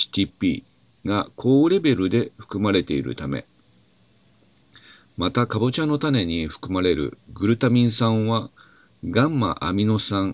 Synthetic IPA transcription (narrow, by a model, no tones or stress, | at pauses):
i̥t̪ʲipʲiː | ɡakʰo̞ːɾe̞be̞ɾɯ̟d̪e̞ɸɯ̥kɯ̟maɾe̞t̪e̞iɾɯ̟̰t̪ame̞̰ | mat̪akabot͡ɕãnːo̞t̪ane̞ɲ̟iɸɯ̟̥kɯ̟maɾe̞ɾɯ̟̰ɡɯ̟ɾɯ̟t̪amʲĩɰ̃sãɰ̃βa | ɡãmːa̰ʔamʲino̞sãŋ